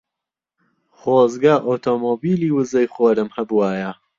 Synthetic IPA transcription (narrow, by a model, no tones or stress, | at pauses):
χoːzɡaːʔoːt̪ʰomoːbiːliːwɨzɐjχoːɾɨmhɐbuwaːjɐ